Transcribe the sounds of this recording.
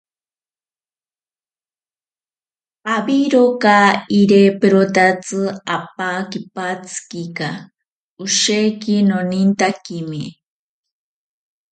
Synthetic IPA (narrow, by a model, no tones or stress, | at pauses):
aβiɾokaiɾepeɾot̪at͡sɨap̚akipat͡sɨ̥kika | oʃekinonint̪akimi